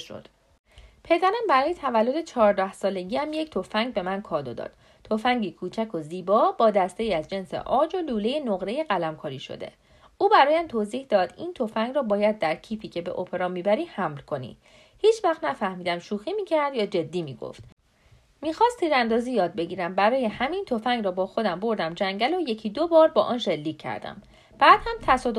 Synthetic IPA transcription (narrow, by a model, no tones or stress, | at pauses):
ʃo̰d̪̥ | pʰe̞d̪æɾæmbæɾɒːjet̪ʰævælːo̞d̪e̞t͡ʃʰɒːɾd̪æhsɒːle̞ɟiːæmject̪ʰofæŋɡbe̞mænkʰɒːd̪o̞d̪ɒ̰ːd̪̥ | t̪ʰofæŋɟikʰuːt͡ʃʰækʰo̞ziːbɒːbɒːd̪æst̪eiːæzd͡ʒe̞nsḛʔɒːd͡ʒo̞luːle̞jenoɣɾe̞jeɣælæmkʰɒːɾiʃo̰d̪e̞̰ | uːbæɾɒːjæmt̪ʰoziːhd̪ɒːd̪̥ḭːnt̪ʰofæŋɡɾɒːbɒːjæd̪ːæɾcʰiːfiːcʰe̞be̞̰ʔopʰe̞ɾɒːmiːbæɾiːhæmlkʰo̞nḭ | hiːt͡ʃʰvæχt̪næfæhmiːd̪æmʃuːxiːmiːcʰæɾd̪jɒːd͡ʒe̞d̪ːiːmḭːɡo̰ft̪ | miːxɒːst̪ʰiːɾænd̪ɒːziːjɒːd̪̚be̞ɟiːɾæmbæɾɒːjehæmint̪ʰo̞fæŋɡɾɒːbɒːxo̞d̪æmbo̞ɾd̪æmd͡ʒæŋɟælo̞jecʰid̪obɒːɾbɒːʔɒːnʃe̞lːiːkcʰːæ̰ɾd̪æ̰m | b̥æːd̪̥hæmt̪ʰæsɒːd̪